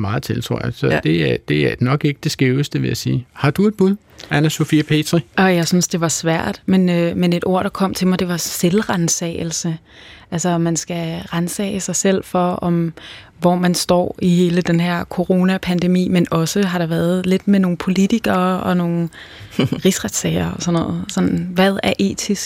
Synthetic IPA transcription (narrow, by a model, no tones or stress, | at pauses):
mɑ̈ːð̩ˠt͡sʰelt͡sʰʁo̝ɐjɑsɒ̽d̥e̝æd̥e̝ænɒ̽ɡ̥e̝ɡ̥əd̥e̝sɡ̥ʁiʊəsd̥əʋe̝æsḭːhɑ̈d̥ue̝d̥̚b̥uðˠ | ænæso̝fiːpʰe̝̰ːd̥ʁiɒ̽jɑ̈ɪsynsd̥e̝ʋɑ̈sʋæɐ̰d̥menømene̝d̥o̝ɐ̰ɾ̥ɑ̈kʰɒ̽m̰t͡sʰe̝mɑ̈ɪd̥e̝ʋɑ̈selʁansɛ̰ːɪl̩sə | ʔælsɐɒmænsɡ̥æʁansɛ̰ːɪəsɑ̈ɪsel̰fɒ̽ɒ̽mʋɒmænsd̥ɒ̰ːihe̝ːləd̥enɦeɐ̰kʰo̝ʁo̝ːnæpʰænd̥e̝mḭːmenɒ̽səɦɑ̈ɾ̥ɑ̈ʋæːɐð̩ˠle̝d̥meno̝ːn̩pʰo̝lit͡sʰiɡ̥ɐːɒ̽no̝ːn̩ | ʁisʁad̥sɛ̰ɪ̰ɐɒ̽sɒnɔ̽ð̩ˠsɒ̽nn̩ʋæðˠæɐʔe̝̰ːt͡sʰisɡ̥